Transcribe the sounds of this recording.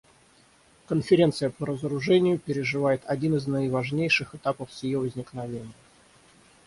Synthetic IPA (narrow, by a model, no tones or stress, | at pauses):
kənfʲɪɾʲe̞nt̪sɨjəpəɾəzəɾʊʐɛnʲɪjʊpʲɪɾʲɪʐɨvajɪt̪ʰɐdʲinɨznəɪvɐʐnʲejʂɨxɨt̪apəfsʲɪjovəzʲnʲɪknɐvʲenʲɪjə